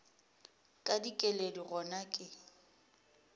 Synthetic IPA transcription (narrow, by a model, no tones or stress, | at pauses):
kʼadikʼelediɣɔnakʼɪ